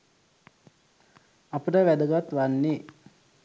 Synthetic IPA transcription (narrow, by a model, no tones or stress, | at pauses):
apəʈəʋæd̪əɡat̪ʋanːe